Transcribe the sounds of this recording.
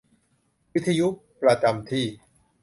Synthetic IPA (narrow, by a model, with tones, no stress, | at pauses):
wi˦˥t̪ʰːa˧ju˦˥pɾa˧t͡ɕa˧mt̪ʰiː˥˩